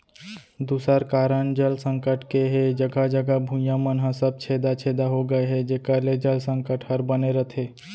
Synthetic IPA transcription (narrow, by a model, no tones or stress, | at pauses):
d̪usəɾkaɾənd͡ʒəlsə̃ŋkəʈkeɦed͡ʒəɡʱad͡ʒəɡabʱũjamənɦə̃səb̚t͡ʃʰed̪at͡ʃʰed̪aɦoɡəeɦɛd͡ʒekaled͡ʒəlsə̃ŋkəʈhəɾbəneɾət̪ʰe